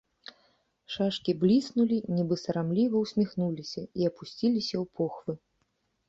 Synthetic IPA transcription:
ʂaʂkʲiblʲisnulʲinʲɛbɨsɐɾamlʲivɐwsʲmʲixnulʲisʲɐiɐpusʲt͡sʲilʲisʲɐwpʰɔxvɨ

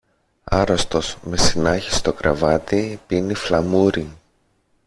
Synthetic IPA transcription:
ɐɾost̪o̞sme̞sinɐçi̥st̪o̞kɾɐvɐt̪ipinːiflɐmuɾi

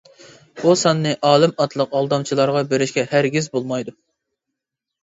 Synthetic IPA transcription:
b̥usɑnːɨʔɑːlˠɨmɑt̪ʰlˠəqɑlˠd̪ɑmt͡ʃʰilˠɑɾʁɑbeɾɪʃkʲɛhæɾɡʲizbolˠmɑjd̪u

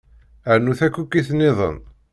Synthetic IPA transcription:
əɾnuθækʷːukːiθnːɪðˤə̰n

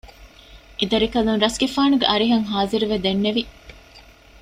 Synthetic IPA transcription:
ʔed̪ɐɾikɐlunɾɐsɡefaːnuɡeʔɐɾiɦɐŋɦaːziɾuʋed̪enːeʋi

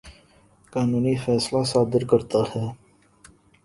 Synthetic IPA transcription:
kaːnuːnifɛːslasaːd̪ɪɾkəɾt̪ahɛː

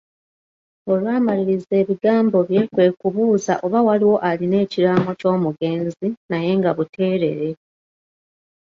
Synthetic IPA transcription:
o̞lwaːmaliɾize̞ːβiɡaːmbo̞βje̞ːkwe̞ːkuβuːza̰ʔo̞βawaliwo̞ʔaline̞ːciɾamo̞co̞ːmuɡe̞ːnzinaje̞ŋɡaβutʰe̞ːɾe̞̰ɾe̞

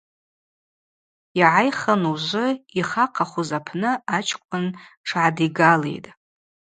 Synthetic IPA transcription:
iʕajχanuʒʷʊiχaqʰaχʷuzapʰnɨat͡ʃʰkʷʰʊnʈ͡ʂʰʕadiɡalḛjtʼ

